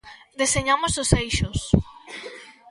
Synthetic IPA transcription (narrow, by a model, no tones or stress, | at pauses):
d̪eseɲamʊsʊsejʃʊs